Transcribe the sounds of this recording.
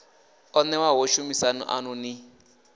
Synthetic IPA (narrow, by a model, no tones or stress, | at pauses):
ɔnɛwaɦɔʃumisanṵʔa̰nuni